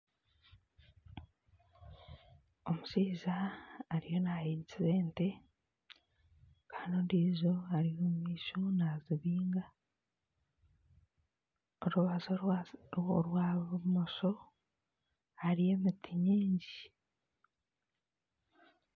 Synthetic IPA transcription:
o̞musiːzaːɾijo̞najiːɲcize̞ːnte̞ | kaːnondiːzo̞aɾijomumiːʃonaziβiːŋɡa | oɾuβazo | ɾwamoso | haɾije̞mitʰiɲiːɲɟi

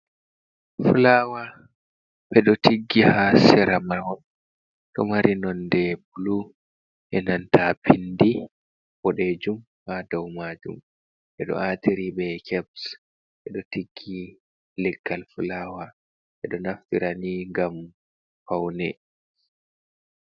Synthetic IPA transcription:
fulawa | ɓɛɗɔtiɡːihasɛɾamawɔn | ɗɔ̰maɾinɔndɛbulu | ʔɛnantapʰindi | bɔɗɛd͡ʒum | hadɔwmad͡ʒṵm | ʔɛɗɔ̰ʔatiɾiɓɛkʰɛbs | ɓɛɗɔtiɡːi | lɛɡːalfulaːwa | ɓɛɗɔnaftiɾaniŋɡam | fawnɛ

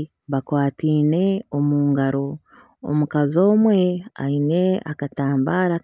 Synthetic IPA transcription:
βakwaːtiːne̞omuːŋɡaɾo̞ | o̰mukazo̞ːmwe̞a̰ine̞a̰kataːmbaɾa

